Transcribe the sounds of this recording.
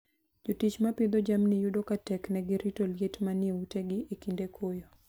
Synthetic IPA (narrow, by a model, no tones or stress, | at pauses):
d͡ʒotit͡ʃmapɪd̪od͡ʒamnɪjudokatɛknɛɡɪɾitoljetmanɪeuteɡɪʔekindekʰojo